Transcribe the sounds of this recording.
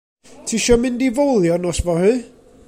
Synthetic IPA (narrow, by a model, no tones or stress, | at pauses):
tʰiʃɔmɪndivowlˠjɔnɔsvɔhɨː